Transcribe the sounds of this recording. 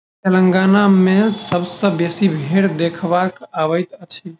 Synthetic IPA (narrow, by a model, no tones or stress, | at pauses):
t̪elə̃ŋɡanamesəbsə̃besibʱeɽd̪ekʰbakaʋəɪt̪ət͡ʃʰi